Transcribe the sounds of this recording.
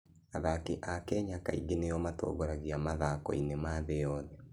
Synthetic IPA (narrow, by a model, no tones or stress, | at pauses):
aðakeʔakɛɲakaḭɣenejɔmato̰ɣoɾaɣiamaðakɔ̰inemaðejɔːðɛ